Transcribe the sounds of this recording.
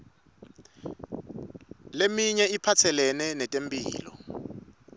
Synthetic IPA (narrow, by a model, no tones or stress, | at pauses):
lemiɲɛipʰatʰɛlɛnɛnɛtʼempʼḭːlɔ̰